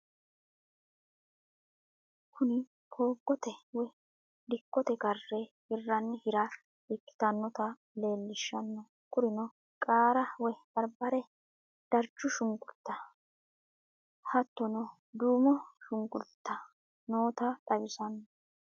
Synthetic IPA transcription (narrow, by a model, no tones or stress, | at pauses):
kʰʊnɪ | pʰo̞ːɡːɔt̪ɛwɛ | d̪ɪkːɔt̪ɛɡɐrːɛhɪrːɐnːɪhɪɾɐ | ɪkːɪ̥t̪ɐnːɔt̪ɐ | le̞ːlːɪʃːɐnːɔ | kʊɾɪnɔ | kʼaːɾɐwɛb̥ɐɾbɐɾɛ | d̪̥ɐɾt͡ʃːʊʃʊŋɡʼʊlt̪ːɐ | hɐt̪ːɔnɔ | d̪uːmɔʃʊŋɡʊlt̪ːɐ | noːt̪ɐd̪ɐbɪsɐnːɔ